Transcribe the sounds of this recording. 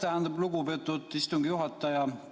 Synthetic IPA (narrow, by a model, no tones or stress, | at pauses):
t̪æænd̪ɑbluɡupet̪ːˑut̪ːist̪uŋɡijuɦɑt̪ːˑɑjɑ